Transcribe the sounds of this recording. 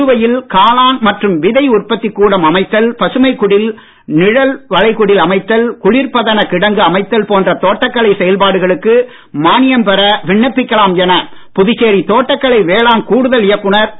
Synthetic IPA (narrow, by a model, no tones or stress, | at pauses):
ɯʋɐjɪlkaːlaːnmɐʈrɯmʋɪðɐɪʊrpɐt̪ːɪkːuːɽɐmɐmɐɪt̪ːɐlpɐsɯmɐɪkːʊɽɪl | nɪɻɐlʋɐɻɐɪkʊɽɪlɐmɐɪt̪ːɐlkʊɻɪɾpɐðɐnɐkɪɽɐŋɡɯɐmɐɪt̪ːɐlpoːndrɐt̪oːʈːɐkːɐɭɐɪsɛjɐlpaːɽɯɣɐɭɯkːɯ | maːnɪjɐmpɛɾɐʋɪɳːɐpːɪkːɐɭaːmjɛnɐ | pʊðɪt͡ʃːeːɾit̪oːʈːɐkːɐɭɐɪʋeːɭaːnkuːɽɯðɐlɪjɐkːʊɳɐɾ